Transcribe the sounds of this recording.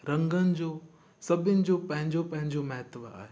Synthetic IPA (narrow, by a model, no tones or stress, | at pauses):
ɾɐ̃ŋɡənɪ̆d͡ʑoː | sɐbʱɪnɪ̆d͡ʑopɐ̃ɦɪ̃ɲd͡ʑopɐ̃ɦɪ̃ɲd͡ʑomɐɦət̪ʋa̰ːɦe